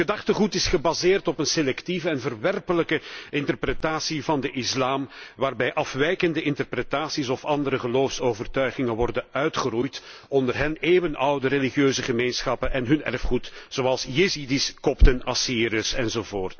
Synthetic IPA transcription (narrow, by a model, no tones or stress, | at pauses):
ədɑχtəɣutɪsχəbazɪːrtɔpənselɛktivəɛnvərʋɛrpələkəɪntərpretaːsivɑndəʔɪslaːmʋaːrbɛjʔɑfʋɛjkəndəɪntərpretaːsisɔfɑndəɾəɣəloːfsoːvərtœɥɣɪŋəʋɔrdəœɥtχərujtɔndərɦɛneːvənʌwdəɾeliχjøːzəɣəmeːnsxɑpənɛnɦɵnɛ̰rfχutz̥oːɑlˠsjezidiskɔptənɑsiːɾəsɛnzoːvoːrt